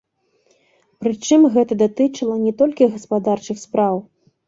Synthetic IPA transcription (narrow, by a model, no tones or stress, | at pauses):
pɾɨt͡ʂɨmɣɛt̪ɐd̪at̪ɨt͡ʂɐlˠɐnʲɛt̪ɔlʲkʲiɣɐspad̪art͡ʂɨxspɾaw